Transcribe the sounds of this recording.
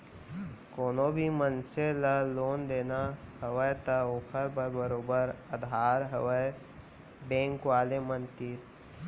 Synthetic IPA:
koːnobʱimənseləloːnd̪eːnahəʋəjt̪əoːkʰəɾbəɾbəɾoːbəɾəd̪ʱaːɾɦəʋəj | bẽːŋkʋaːlemə̃nt̪iːɾ

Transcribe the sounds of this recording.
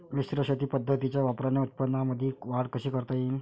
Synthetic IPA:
lisɾəɕət̪iːpəd̪ʱːət̪it͡ɕjaʋapɾaneut̪̚pənːaməd̪ʱiʋaɽkəɕiːkəɾt̪ajin

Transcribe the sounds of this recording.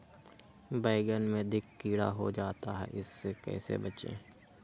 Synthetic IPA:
baːɪɡənmẽd̪ɪkːiːɽa̰ɦo̰d͡ʒaːt̪aɦɛ̰ʔɪsːekɛ̰ːsḛbɐt͡ʃḛ̃ː

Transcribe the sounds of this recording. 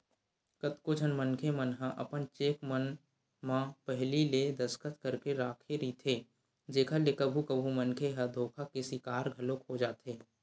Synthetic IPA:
kət̪kod͡ʒʱənmənkʰemənɦãʔɐpənt͡ʃeːkmən | mãpəɦliled̪ɐskət̪kəɾkeɾaːkʰeɾit̪ʰeː | d͡ʒeːkʰalekəbʱukəbʱumənkʰeɦad̪ʱoːkʰakesɪkaːɾɡʱɐlokod͡ʒaːt̪ɦeː

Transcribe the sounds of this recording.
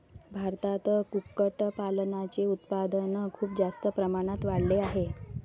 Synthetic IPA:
bʱaɾt̪at̪əkukːəʈpalnat͡ɕeut̪pad̪ənkʰuːpd͡zast̪əpɾəmaɽ̃at̪ʋaɽleaɦe

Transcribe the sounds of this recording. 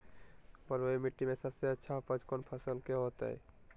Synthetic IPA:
pəɾoimiʈːimesəbseətːʃʰaɦpə̃t͡ʃkɔnpʰəsəlkeɦot̪a̰ɛ̰

